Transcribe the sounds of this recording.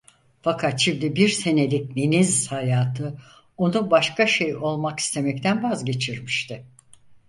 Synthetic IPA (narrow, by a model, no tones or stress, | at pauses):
fakʰat̪ʃimd̪ibiɾse̞ne̞lʲic̚nenizhajaːt̪ʰɯ | o̞nubaʃkaʃe̞jo̞lˠmaki̥st̪ʰe̞mɛc̚t̪ʰænvazɟe̞t͡ʃʰiɾmiʃt̪ʰɪ